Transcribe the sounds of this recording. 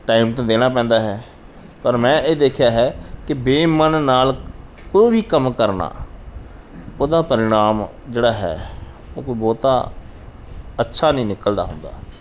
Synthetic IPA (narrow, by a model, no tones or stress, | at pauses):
ʈaːiːmt̪ãːd̪eːɽaːpɛ̃ːnd̪aːɦɛː | pəɾmɛ̃ːeːd̪eːkʰjaːɦɛːkɪbeːmənːaːl | koːbiːkəmkəɾna̰ː | oːd̪aːpəɾɪɽ̃aːm | d͡ʒeːɽaːɦɛ̰ː | o̰ːkoːiːbɔːt̪aː | ətːʃʰaːnəĩːnɪkəld̪a̰ːɦʊnd̪a̰ː